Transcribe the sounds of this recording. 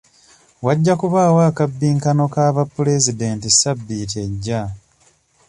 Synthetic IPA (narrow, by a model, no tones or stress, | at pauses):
waɟːakuβaːwaːkabːiːŋkano̞kaːβapːule̞zide̞ːntisabːiːt̬e̞ɟːa